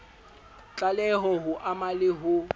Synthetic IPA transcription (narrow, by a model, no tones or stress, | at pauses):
t͡ɬʼalɛɦɔɦʊʔamalɪɦʊ